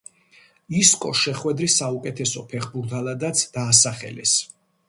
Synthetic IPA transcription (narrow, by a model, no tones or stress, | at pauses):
iskʼɔʃɛχwɛd̪ɾisːaukʼɛt̪ʰɛsɔpʰɛχbuɾt̪ʰalˠad̪at̪sʰd̪̥aːsaχɛ̰lɛ̰s